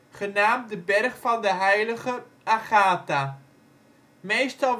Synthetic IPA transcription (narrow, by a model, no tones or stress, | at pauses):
χənaːmt̚dəbɛrχfɑndəɦɛjləχə | aχaːta | mejstɑlˠ